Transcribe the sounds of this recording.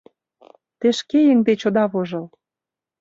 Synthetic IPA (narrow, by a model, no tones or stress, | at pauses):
t̪eʃkejə̆ŋd̪et͡ɕod̪ɑβoʒɤ̆l